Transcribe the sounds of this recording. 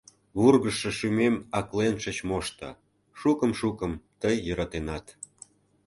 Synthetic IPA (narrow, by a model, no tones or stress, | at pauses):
βurɣəʃə̆ʃymemɑklenʃə̆t͡ɕmoʃt̪ɑ̰ | ʃukəmʃukəmt̪əjːəɾɑt̪enɑt̪